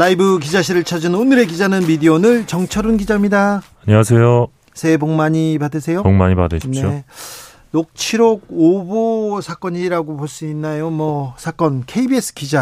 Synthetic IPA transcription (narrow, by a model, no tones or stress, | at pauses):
laibɯkid͡ʑaɕʰiɾɯɭt͡ɕʰad͡ʑɯnonɯɾe̞kid͡ʑanɯnmidionɯɭt͡ɕʌŋt͡ɕʰʌɾunɡid͡ʑamɲidaaɲiwas̬ʰe̞jo | sʰe̞boŋmaɲipadɯsʰe̞jooŋma̰ɲipa̰dɯɕneo | nok̚t͡ɕʰiɾoɡ̚obosʰak͈ʌɲiɾaɡoboɭs͈uinːajomʌsʰak͈ʌnkʰe̞ibie̞s͈ʰɯ̥kid͡ʑa